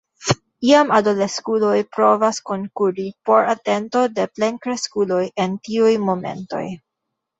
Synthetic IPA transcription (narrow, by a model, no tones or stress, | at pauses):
iamado̞leskulo̞jpɾo̞vasko̞nkuɾipo̞ɾate̞nto̞de̞plenkɾe̞skulo̞je̞ntiujmo̞me̞̰nto̞̰j